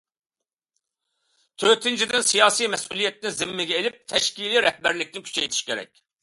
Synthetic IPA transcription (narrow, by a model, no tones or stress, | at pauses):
t̪ʰøt̪ʰɪnt͡ʃʰid̪ɪnsijɑːsijmɛsulˠijɛt̪̚nɪzɪmːɪɡʲɛelɪp̚t̪ʰɛʃkʲiliɾɛhbæɾlɪkʲnɪkʲʰy̥t͡ʃʰɛjt̪ʰi̥ʃkʲeɾɛ̰kʲ